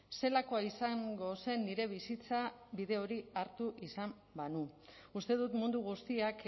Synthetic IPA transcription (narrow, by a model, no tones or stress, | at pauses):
se̞lako̞aisaŋɡo̞se̞nːiɾe̞βisit͡saβiðe̞o̞ɾiaɾt̪uʔisam | banuust̪e̞ðut̪mund̪uɣ̞ust̪iak